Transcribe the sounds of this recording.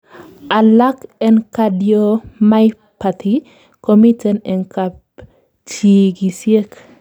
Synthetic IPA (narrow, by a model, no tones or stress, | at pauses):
alakenkadiomaj | pʰat̪ʰi | komitɛnɛŋkap | t͡ʃiɡisiek